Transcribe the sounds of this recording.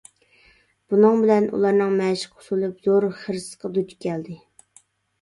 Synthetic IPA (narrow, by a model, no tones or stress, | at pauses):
b̥unɨŋbɪlɛnṵlˠɑɾnɨŋmɛʃɪ̥qʰʊ̥sulˠɨpz̥oɾχəɾɨsqʰɑd̪ut͡ʃi̥kʲʰɛld̪ɪ